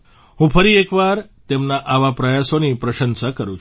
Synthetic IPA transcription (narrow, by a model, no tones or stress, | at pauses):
ɦũfəɾiekʋaɾt̪emnaʔaʋapɾəjasonipɾəʃənsakəɾũt͡ʃʰ